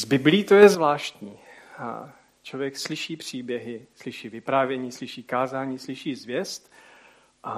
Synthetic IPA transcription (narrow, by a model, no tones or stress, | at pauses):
zbɪblɪiːt̪ojɛzvlaːʃt̪ɲḭː | t͡ʃlo̞vjɛkslɪʃiːpr̝̥iːbjɛɦɪslɪʃiːvɪpɾaːvjɛɲiːslɪʃiːkaːzaːɲiːslɪʃiːzvjɛst̪ | ʔa